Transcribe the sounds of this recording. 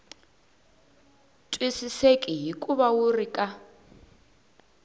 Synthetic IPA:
tʼwisisekʼiɦikʼuβawurikʼa

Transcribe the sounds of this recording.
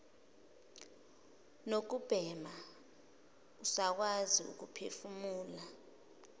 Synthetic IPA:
nok̬ub̥ʱɛma | usak̬waziṵk̬upʰefumuːla

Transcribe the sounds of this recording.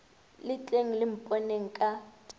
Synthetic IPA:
lɪt͡ɬʼeŋ̩lɪm̩pʼɔneŋ̩kʼa

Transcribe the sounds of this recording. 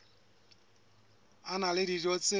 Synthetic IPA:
analɪdirɔt͡sʼɪ

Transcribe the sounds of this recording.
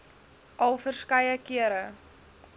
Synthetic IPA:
ʔɐlˠfərskɐjəkiəɾə

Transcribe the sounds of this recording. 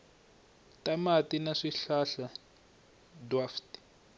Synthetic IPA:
tamatinaʂiɬaɬa | dwafti̥

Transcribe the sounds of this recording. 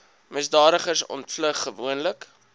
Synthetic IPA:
məsdɑːɾəχərsɔ̰ntfləχːəvuənlək

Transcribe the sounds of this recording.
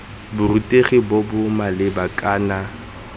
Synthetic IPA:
bʊrutʼeχibɔbʊmalɪbakʼaːna

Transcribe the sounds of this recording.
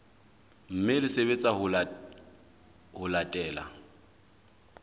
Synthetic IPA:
m̩mɪlɪseβet͡sʼaɦʊ | hʊlatʼɛːla̰

